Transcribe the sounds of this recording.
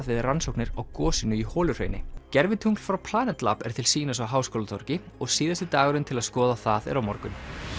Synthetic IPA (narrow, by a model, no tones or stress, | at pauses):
ðvɪðransowknɪɾawkɔːsɪnʏihɔːlʏr̥ḛːjnɪcɛɾvɪt̪ʰuŋkl̥fɾawwpʰl̥aːnɛt̪la̰pɛ̰ɾ̥t̪ʰɪlsiːnasawɦaːwskoːlat̪ʰɔɾcɪ | ɔɣsiːðast̪ɪt̪aːɣaɾʏnt̪ʰɪlaðskɔːðaθaðɛ̰ɾawmɔɾkʏn